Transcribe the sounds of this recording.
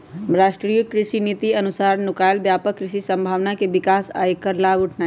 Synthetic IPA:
ɾaːʃʈɾijəkɾɪʃinit̪iɐnʊsaːɾnʊkaːjlbjaːpəkːɾɪʃisə̃mbʱaːʋnakeʋɪkaːsa̰ːjkːəɾlaːʋʊʈʰna

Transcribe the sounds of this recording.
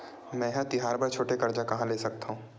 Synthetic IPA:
mɛ̃ːɦãt̪ɪɦaːɾpɐɾt͡ʃʰoːʈekɐɾd͡ʒakɐɦãleːsɐk̚t̪aɦũː

